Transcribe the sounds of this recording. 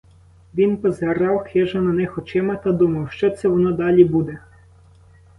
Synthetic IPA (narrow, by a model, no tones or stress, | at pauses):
ʋʲinpɔzɦeɾɑwxɛʒɐnɐnɛxɔt͡ʃɪmɐt̪ɐd̪umɐwʃt͡ʃɔt̪sɛʋɔnɔd̪ɑlʲibud̪ɛ